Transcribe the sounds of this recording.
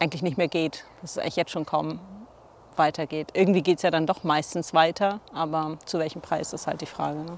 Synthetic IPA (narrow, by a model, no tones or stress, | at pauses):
aɪɡŋ̩tlɪçnɪçtmeːɐɡeːtd̥asɛ̥sʔaɪŋlɪ̥jɛt͡stʃoːnkʰaʊm | vaɪtʰɐɡeːtʔɪɐɡŋtv̥iːɡeːtsjaːɾandɔχmaɪstn̩sv̥aɪtʰɐʔaːbɐt͡suvɛlçm̩pʁ̥aɪsɪstha̰lt̚d̥iːfʁ̥a̰ːɡənə